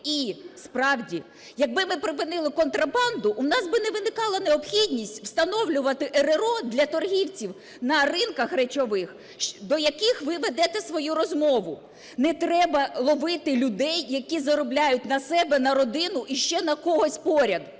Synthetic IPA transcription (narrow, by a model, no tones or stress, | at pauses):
ispɾɑwdʲi | jɐɡ̚bɪmɪpɾɪpɪnɪlˠɪkɔnt̪ɾɐbɑnd̪ʊʔʊnɑsbɪnɛʋɪnɪkɑlˠɐneɔpxʲidʲnʲisʲtʲwst̪ɐnɔwlʲʊʋɐt̪ɪʔeɾeɾɔd̪lʲɐt̪ɔrɦʲiwt͡sʲiw | nɐrɪnkɐxrɛt͡ʃɔʋɪx | d̪ɔjɐkɪxʋɪʋɛd̪ɛt̪ɛsʋɔjuɾɔzmɔʋʊ | nɛt̪ɾɛbɐlˠɔʋɪt̪ɪlʲʊd̪ɛjːɐkʲizɐɾɔblʲajʊt̚ʲnɐsɛbɛnɐɾɔd̪ɪnʊʔiʃt͡ʃɛnɐkɔɦɔsʲpɔɾʲɐd̪